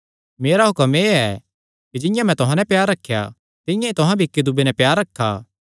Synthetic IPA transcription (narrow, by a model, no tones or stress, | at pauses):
meːɾaɦʊkəmeːɛ | kid͡ʒɪ̃jãmɛ̃t̪ʊɦãnɛpjaːɾːɐkʰːja̰ | t̪ɪ̃jãit̪ʊɦãbʱikːid̪ʊbenɛpjaːɾːɐkʰːa̰ː